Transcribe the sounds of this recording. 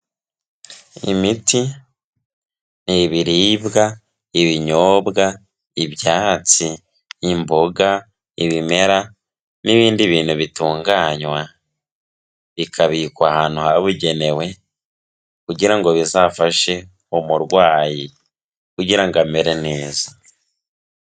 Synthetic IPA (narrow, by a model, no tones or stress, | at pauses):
ḭmiti | niβiɾiːbɡa | iβiɲoːbɡa | iβjaːt͡siː | mboɡa | iβime̞ɾa | niβiːndiβiːnhuβituːŋɡaːɲwa | βikʰaβikwahaːnuhaβuɟe̞ne̞we̞ | kuɟiɾaŋɡo̞βizafaʃe̞ | omuɾɡwaːji | kuɟiɾaŋɡameɾe̞neːzḁ